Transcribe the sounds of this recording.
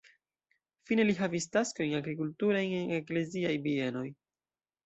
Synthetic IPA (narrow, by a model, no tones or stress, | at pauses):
fine̞liɦavistasko̞jŋaɡɾikultuɾajeŋe̞kle̞ziajbie̞no̞j